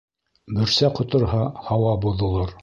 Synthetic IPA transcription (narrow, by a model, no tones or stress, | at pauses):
bɘ̆ɾsæqŏt̪ŏɾɦɑhɑwɑbuðŏlˠɤɾ